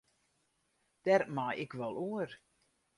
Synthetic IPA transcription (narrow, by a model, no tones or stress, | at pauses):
d̥ɛrmajɪkʋɔlˠuər